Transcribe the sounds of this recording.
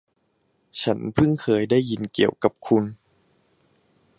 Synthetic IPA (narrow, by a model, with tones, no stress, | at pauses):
t͡ɕʰa˦˥npʰɯ˥˩ŋkʰɤː˧jdaː˥˩jːi˧nki˨˩əwka˨˩p̚kʰu˧n